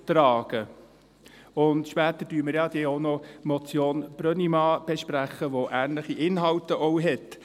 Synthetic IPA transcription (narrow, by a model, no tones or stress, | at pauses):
t̪ɾɑːɡ̥ə | ʊnd̪ʃpɛːt̪əd̥yːməɾjɑd̪eɔnɔmɔt͡sjoːnb̥ɾœnimɑːb̥ɛʃpɾæχəʋoʔæːnləχiʔɪnɦɑltəʔɔʊɦɛt